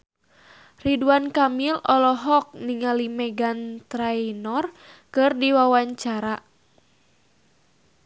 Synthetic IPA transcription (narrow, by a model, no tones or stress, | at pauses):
riduankamilɔlɔɦɔk̚niŋalimɛɡant̪ɾajnɔr | kɨrdiwawaɲt͡ʃaɾa